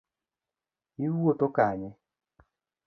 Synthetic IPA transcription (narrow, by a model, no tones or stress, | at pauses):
iwotokaɲɪ